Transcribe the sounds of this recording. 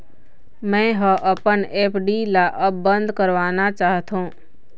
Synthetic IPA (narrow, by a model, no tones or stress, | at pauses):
mɛ̃ːɦəʔəpəneːpʰɖilaʔəbbə̃nd̪ʱkəɾʋaːnat͡ʃaːɦt̪õː